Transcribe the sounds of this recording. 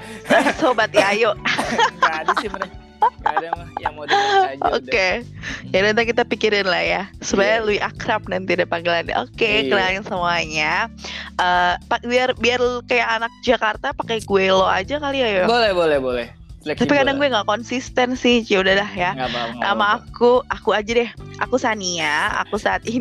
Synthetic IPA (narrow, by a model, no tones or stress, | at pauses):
sobat̪jajoʔ | o̰kejadant̪ak̬it̪apikiɾɪnlahjasəbaaluiʔakɾap̚nant̪idapaŋɡilana̰ʔokekədajaŋsəmuaɲaʔəpabiarbiarkajaŋanak̚d͡ʒakart̪apakɛɡuɛloa̰d͡ʒakaliajaolɛhbolɛhbolɛ | apikadaŋɡuɛŋɡaʔkɔnsist̪ɛnsɪht͡ʃaudahlahjaʔamaːkuakuad͡ʒadɛhʔa̰kusaniaa̰kusaːt̪̚i